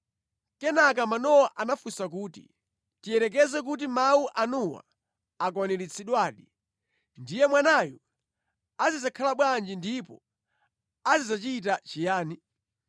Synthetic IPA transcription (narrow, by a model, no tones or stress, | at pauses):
kɛnak̬amanɔwɔʔanafusak̬uːtḭ | tijɛɾɛk̬ɛzɛk̬ut̬imawuʔanuwa̰ | ak̬wanilit͡sʰiɗwaːɗi | ndijɛmwanajɔ | azizakʰalaɓwand͡ʒindipɔ | azizat͡ʃit̬at͡ʃijaːni